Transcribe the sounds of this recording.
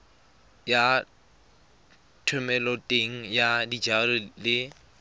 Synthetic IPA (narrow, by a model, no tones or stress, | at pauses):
ja | tʰʊmɛlɔtʼeŋ̩jadid͡ʒarɔlɪ